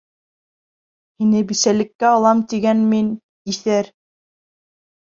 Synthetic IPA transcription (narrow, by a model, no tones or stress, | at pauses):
hinɘbisælɘ̆kːæɑlˠɑmt̪iɡænmin | iθæɾ